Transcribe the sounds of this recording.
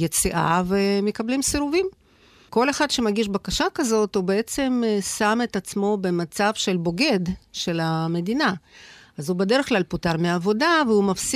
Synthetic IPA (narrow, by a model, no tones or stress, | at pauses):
jet͡siʔa̰vemekablimsiɾuvim | ko̞leχad̪ʃe̞maɡiʃbakaʃakɐzo̞t̪hubeet͡se̞msame̞t̪at͡smo̞be̞mat͡savʃe̞lbo̞ɡe̞d̪ʃe̞lame̞d̪ina | azhubed̪e̞ɾeχklalput̪aʁmeavo̞d̪aveumafs